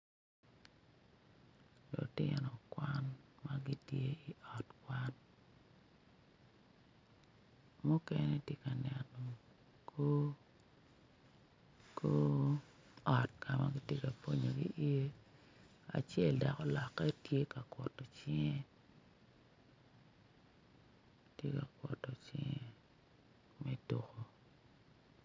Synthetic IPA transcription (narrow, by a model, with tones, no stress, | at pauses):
lo̰˨tɪ̰˦nɔ˨kwa˦nma˦ɡi˦tje˦i˨ʔɔ˨tkwa˦n | mu˦kɛ˦nɛ˦tje˦ka˨nɛ˨no˨ | kʰo˦ | ko˦ | ɔ˨t̚ka˨ma̰˦ɡi˦tje˦ka˨po˦ɲo˨ɡḭ˦ʔi˦e˦ | a̰˨t͡ʃjɛ˦˨lda˨kɔ˦lɔ˨kːɛ˦tje˦ka˨kwɔ˨tɔ˨t͡ʃɪ˦ŋɛ˦ | tje˦ka˨kwɔ̰˨tɔ˨t͡ʃɪ̰˦ŋɛ˨ | mɛ˦to˨ko˨